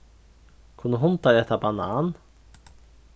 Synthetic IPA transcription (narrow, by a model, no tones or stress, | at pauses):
kʰʊnəɦʊnt̪ad̪ɛt̪ʰːabanaːn